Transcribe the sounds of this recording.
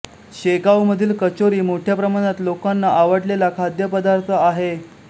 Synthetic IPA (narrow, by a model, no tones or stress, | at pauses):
ɕeɡawməd̪ʱiːlkət͡ɕoɾiːmoʈʰjapɾəmaɽ̃at̪lokanːaʔaʋəɽlelakʰad̪ʱjəpəd̪aɾt̪ʰəaɦe